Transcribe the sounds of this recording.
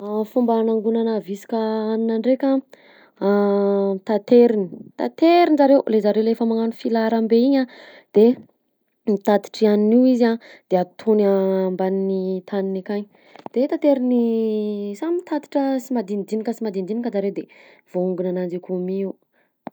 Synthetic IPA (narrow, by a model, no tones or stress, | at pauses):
afumbanaŋɡunanavisi̥kʲaaninaɳɖ͡ʐekʲa | t̪at̪eɾini̥t̪a̰t̪eɾinzaɾewlezaɾewlefamaŋanufilaɾambeiɲa | d̪̥e | mit̪at̪i̥ʈ͡ʂianiniwizad̪̥eat̪ʰonambaninit̪ʰaninikaɲ | d̪̥et̪at̪eɾini | samit̪ʰat̪i̥ʈ͡ʂəsimad̪ind̪inikəsimad̪ind̪inikʲəzaɾewd̪e | v̥ouŋɡunanand͡ʒekumiw